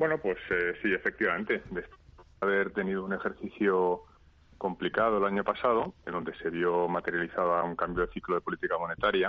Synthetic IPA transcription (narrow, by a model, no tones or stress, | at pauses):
bwe̞nopwe̞sesie̞fe̞kt̪iβamẽ̞nt̪e̞d̪e̞spwe | aβ̞e̞ɾt̪e̞niðoune̞xe̞ɾθiθjo | ko̞mplikað̞o̞elaɲo̞pasað̞o̞end̪o̞nd̪e̞se̞β̞jo̞mat̪e̞ɾjaliθaðoauŋkambjoð̞e̞θiklo̞ðepo̞lit̪ikamo̞ne̞t̪aɾja